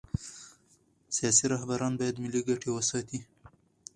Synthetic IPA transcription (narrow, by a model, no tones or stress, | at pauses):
sijɑsiɾaɦbaɾɑnbɑjad̪mɪliɡaʈewəsɑt̪i